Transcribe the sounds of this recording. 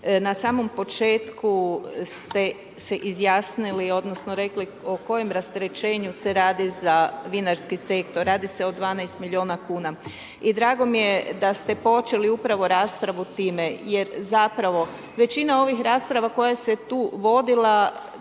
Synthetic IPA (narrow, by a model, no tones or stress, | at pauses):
nasaːmo̞mpo̞t͡ʃe̞ːt̪kust̪e̞ | se̞ʔizjaːsnilio̞d̪nosnoɾe̞kli | oko̞je̞mɾast̪eɾe̞t͡ʃe̞ːɲuse̞ɾaːd̪izaʋinaɾskise̞k̚t̪o̞ɾːaːd̪ise̞od̪ʋaːnɛjst̪milʎʲio̞ːnakuːna | id̪ɾaːɡo̞mije̞d̪ast̪e̞po̞t͡ʃe̞liupɾaʋo̞ɾaːspɾaʋut̪iːme̞je̞ɾzapɾaʋo̞ | ʋe̞t͡ʃinao̞ʋixɾaːspɾaʋako̞jase̞t̪uːʋo̞d̪ila